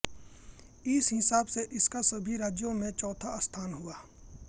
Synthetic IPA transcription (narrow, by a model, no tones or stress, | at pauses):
ɪshɪsaːbseʔɪskasɐbʱiɾaːd͡ʒjõmẽt͡ʃɔːt̪ʰaɐst̪ʰaːnɦʊaː